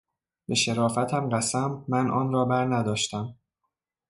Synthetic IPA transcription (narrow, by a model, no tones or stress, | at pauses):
be̞ʃe̞ɾɒːfæt̪ʰæmɢæsæmːænʔɒ̰ːnrɒːbæɾnæd̪ɒːʃt̪æm